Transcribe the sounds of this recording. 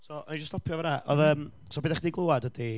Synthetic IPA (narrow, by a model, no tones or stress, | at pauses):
sɔʔɔnid͡ʒəstʰɔpʰjɔvəɾaʔɔ̰ðəːm | sɔbiːdaχidiɡlˠowadədi